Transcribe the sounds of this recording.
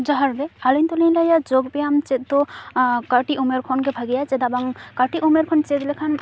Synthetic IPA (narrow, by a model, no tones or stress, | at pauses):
d͡ʒɔɦaɾd̪ealɔnt̪ulijlajad͡ʒoɡpejamt͡ʃet̪̚t̪okaʈiʔumeɾkʰɔnkebʱaɡijat͡ʃed̪abaŋkaʈiʔumeɾkʰɔnt͡ʃet̪lekʰan